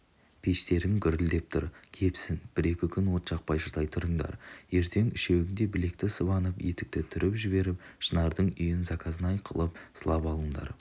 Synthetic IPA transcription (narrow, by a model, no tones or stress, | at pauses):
pʰe̞st̪e̞ɾɪŋkʰʲʏɾɪld̪e̞p̚t̪ʰʊɾkʲʰe̞psɪnb̥ɪɾe̞kʲɪkʲʰʏnwo̞t̪ʃɑq̚pɑjʃəɾd̪ɑjt̪ʰʊɾəɴd̪ɑ̰ɾje̞ɾt̪ʰe̞ŋʏʃewɡʲɪnd̪e̞bɪle̞k̚t̪ɪsəβɑnəpje̞t̪ɪk̚t̪ɪt̪ʰʏɾɪpʒɪβe̞ɾɪp̚ʃənɑɾd̪əɴʏjɪnzɑkʰɑzənɑjqʰəlˠəp̚səlˠɑpɑlˠəɴd̪ɑ̰ɾ